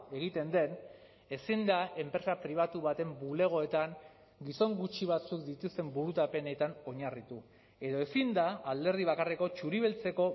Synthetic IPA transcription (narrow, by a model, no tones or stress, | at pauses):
e̞ɣ̞it̪e̞nd̪e̞n | e̞sind̪aʔe̞mpɾe̞sapɾiβ̞at̪uβat̪e̞mbule̞ɣ̞o̞e̞t̪aŋ | ɡiso̞ŋɡut͡ʃiβat͡sukd̪it̪ust̪e̞mbuɾut̪ape̞ne̞t̪ano̞ɲarit̪u | e̞ðo̞esind̪aːld̪e̞ɾð̞iβ̞akareko̞t͡ʃuɾiβelt͡se̞ko̞